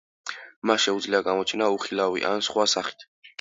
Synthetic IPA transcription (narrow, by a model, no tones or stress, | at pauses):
masʃɛud̪zliaɡamɔt͡ʃʰɛnauχilˠavḭʔa̰nsχwasaχi̥t̪ʰ